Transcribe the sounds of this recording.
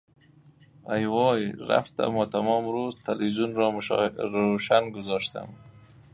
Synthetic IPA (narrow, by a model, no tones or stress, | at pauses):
ajwɔjɾa̰ft̪a̰mat̪amɔmɾozt̪alizunɾɔmɾoʃanɡʊzɑʃt̪a̰m